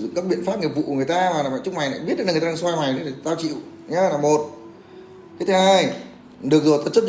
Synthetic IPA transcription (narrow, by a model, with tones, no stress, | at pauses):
zʊ̰˧˨ŋ͡mkaː˦˥k̚ɓḭ˧˨ənfaː˦˥p̚ŋi˨˩əvṵ˧˨kŋ˨˩ə˩jt̪aː˧maː˨˩laː˨˩ɓ̰a̰ː˧˨t͡ɕʊ˦k͡p̚ma˨˩jna̰ː˧˨ji˦˥t̚ɨ˨˦˨tːa˧saː˧ma˨˩jə˨˦a˨˩t̪aː˧wt͡ɕḭ˧˨ə˨wɲa˨˧˦laː˨˩mo˨˩t̚ | kaː˨˦jt̪ʰɨ˨˦haː˧j | ɗɨ˨˩ək̚zo˨˩t̪ə˨˩t̚t͡ɕə˦˥t̚